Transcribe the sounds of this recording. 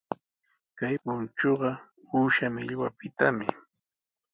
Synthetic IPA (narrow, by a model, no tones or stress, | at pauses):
kajpʊnt͡ʃoɢɑ | uːʃamɪʎwapɪt̪amɪ̰